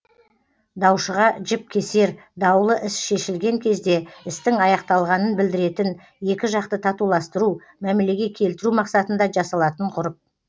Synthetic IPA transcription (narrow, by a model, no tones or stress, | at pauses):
d̪ɑwʃəʁɑʒɪp̚kʲʰe̞se̞ɾ | d̪ɑwlˠəʔɪsʃe̞ʃɪlɡʲe̞ŋkʲʰe̞zd̪e̞ɪst̪ɪŋɑjɑqt̪ɑlˠʁɑnənbɪld̪ɪɾe̞t̪ɪn | je̞kʲɪʒɑq̚t̪ət̪ʰɑt̪ulˠɑst̪əɾu | mæmele̞ɡʲe̞kʲʰe̞lt̪ɪɾumɑqsɑt̪ənd̪ɑʒɑsɑlˠɑt̪əɴqʰʊɾəp̚